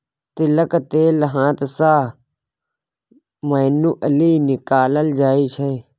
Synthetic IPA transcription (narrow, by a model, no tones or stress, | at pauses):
t̪ɪləkt̪eːləɦãːt̪saː | məːnuːʔəliːnɪkaːləld͡ʒaːiːt͡ʃʰe